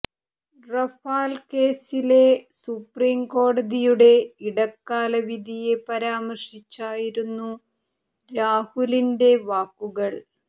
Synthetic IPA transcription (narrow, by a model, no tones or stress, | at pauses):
rɐfaːlke̞ːsile̞supriːmko̞ːɽɐðijuɽe̞iɽɐkːaːlɐʋid̪ʱije̞pɐɾaːmɐrʂit͡ɕːaːjiɾunːu | ɾaːhulinde̞ʋaːkːuɣɐɭ